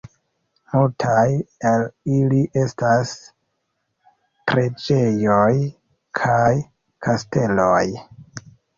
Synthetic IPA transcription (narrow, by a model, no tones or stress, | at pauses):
multʰajeliliʔe̞stas | pɾe̞d͡ʒe̞joj | kʰaj | kʰaste̞loj